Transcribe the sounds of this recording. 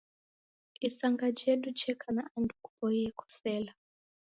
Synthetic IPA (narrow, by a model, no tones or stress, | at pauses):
isaŋɡad͡ʒeɗud͡ʒɛkʰanaandukupɔijɛkʰɔ̥sɛːla